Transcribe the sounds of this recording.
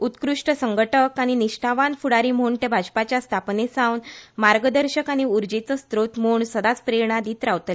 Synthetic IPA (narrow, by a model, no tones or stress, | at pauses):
ut̪kɾuʂʈəsəŋɡəʈəkaɽ̃iniʂʈʰaʋanfuɽaɾim̤oɳt̪ebʱad͡ʑpat͡ɕjast̪ʰapnesawnmaɾɡəd̪əɾɕəkaɽ̃iuɾd͡ʑet͡səst̪ɾot̪moɳsəd̪at͡spɾeɾɳad̪iːt̪ɾawt̪le